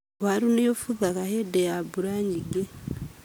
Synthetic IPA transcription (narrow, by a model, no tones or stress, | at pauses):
aɾunejofuðakahedejabuɾaɲiɡe